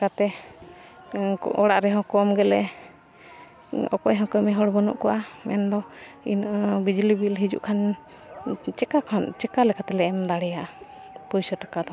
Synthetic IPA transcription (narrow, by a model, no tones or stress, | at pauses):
kat̪ɛ | ɔɽaʔɾɛɦɔ̃kɔmɡɛlɛ | ɔ̰kɔjɦɔ̃kɔmɛɦɔɽbɔnɔ̰ʔkɔwamɛ̰nd̪ɔinbid͡ʒulibilɦid͡ʒṵʔkʰan | t͡ʃɛkakʰant͡ʃɛkalɛkat̪ɛlɛɛmd̪aɽɛjaʔ | pɔjsaʈakad̪ɔ